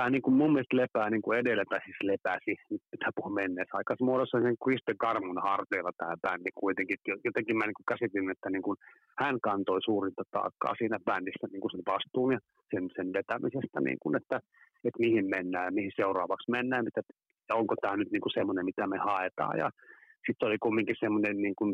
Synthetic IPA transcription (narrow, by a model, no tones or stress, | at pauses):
t̪æːniːŋkummummiest̪lepæːniːŋkuedelːæpæsislepæsinyt̪mit̪ʰæpuhumenːeːsɑikɑsmuoɾosːɑiseŋkrist̪eŋkɑrmunɑhɑrt̪eːlːɑt̪æːpændikuit̪eŋkit̪jojot̪eŋkimmæniːŋkukæsit̪ilinet̪ːæniːŋkun | hænkɑnt̪oisuːrint̪ɑt̪ɑ̰ːkːɑ̰ːsiːnæpændisːæniːŋkusenʋɑst̪uːnjɑ | sensenʋet̪æmisest̪ænḭːŋkunet̪ːæ | et̪mihimmenːæːjɑmihiseurɑ̰ːʋɑksmenːæːjmit̪æ | jɑoŋkot̪æːnyt̪niːŋkusemːonemmit̪æmehɑet̪ɑ̰ːjɑ̰sit̪seolikumːiŋkisemːonenniːŋkun